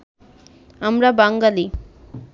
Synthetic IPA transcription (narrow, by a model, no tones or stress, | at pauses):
amɾabaŋɡali